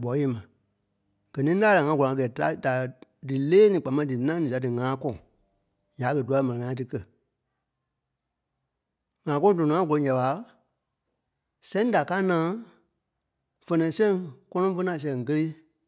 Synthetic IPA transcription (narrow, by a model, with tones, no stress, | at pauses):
bɔ˨˦e˦mã˨ | ɡ̥ɜ˨nĩ˦laː˦la˨ŋã˧˦ɡɔ˨ã˨˧ɛː˨ta˦da˨dɨ˨leː˦nĩ˨k͡pa˨mã˧˦dɨ˨˦nã˦nĩ˨a˨dɨ˨ŋãː˨˦kɔ̃˦˨ | ɲaː˨˦kə˨du˨˦a˧˦mɛ̃˨ɛ̃˨ŋãː˨˦t̬ɨ˧kɜ˦˨ | ŋãː˨˦kɔ̃˦tõ˨ɔ̃˨˦ã˦ɡu˨lõ˨˦ɲa˨ɓa˨˦ | sɛ̃˦da˨ka˦nãː˨˦ | fɜ˧nɛ̃˨˦sɛ̃˦ŋkɔ˦nɔ̃˦fə˦nã˨s̬ɛ̃˨ŋ˨kə˦le˦